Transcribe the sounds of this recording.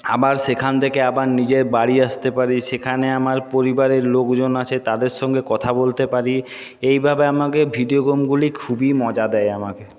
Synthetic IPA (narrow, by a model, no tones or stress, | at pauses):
a̰baɾʃekʰant̪ʰekeabaɾnid͡ʑeɾbaɽiaʃt̪epaɾiʃekʰaneamaɾpoɾibaɾeɾlokd͡ʑonat͡ɕʰet̪ad̪eɾʃɔŋɡekɔt̪ʰabolt̪epaɾi | ejbʱabeamakebʱiɖioɡomɡulikʰubimɔd͡ʑad̪ɛjamake